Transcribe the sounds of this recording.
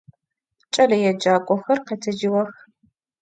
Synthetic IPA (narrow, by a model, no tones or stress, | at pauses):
t͡ʃʼɐlɐjɛd͡ʒaːkʷʼɔxɐrqetʰɐd͡ʒɪwɐx